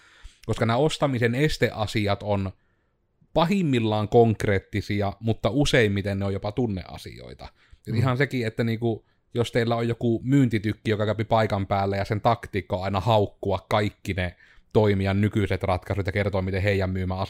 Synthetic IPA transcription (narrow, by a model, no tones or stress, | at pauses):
koskɑnæost̪ɑmisenest̪eʔɑsiɑt̪on | pɑhimːilːɑːŋkoŋkreːt̪ːisiɑmut̪ːɑuseˑimmit̪enneojopɑt̪unːḛʔʔɑ̰sḭjo̰ˑit̪ɑ̰ | jut̪ihɑnsekiet̪ːæniːku | jost̪eˑilːæojjokumyːnt̪it̪ykːijokɑkæpipɑikɑmpæːlːæjɑsent̪ɑkt̪iːkːoɑˑinɑhɑˑukːuɑkkɑikːine | t̪oimijɑnnykyset̪rɑt̪kɑsut̪jɑkert̪oːmit̪eheˑijˑæmmyːmæɑ